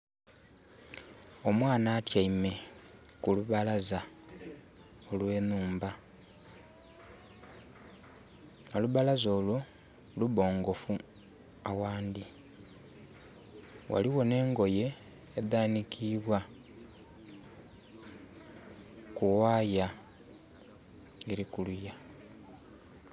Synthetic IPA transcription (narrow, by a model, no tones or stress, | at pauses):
o̞mwaːnaːtjaime̞kuluβalaza | o̞lwe̞ːnuːmba | oluβalazo̞ːlu | luβo̞ːŋɡo̞fu | awaːnd̪i | wʔa̰liwo̞ne̞ːŋɡo̞je̞ː | daːnikʰiːβwa | kuwaːja | eɾikuluja